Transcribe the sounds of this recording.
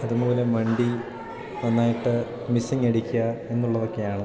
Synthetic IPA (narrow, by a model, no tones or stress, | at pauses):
ɐðumo̞ːle̞mɐɳɖi | nɐnːaːjiʈːɨ | misiŋeɽikʲːuɐe̞nːuɭːɐðo̞kːe̞jaːɳɨ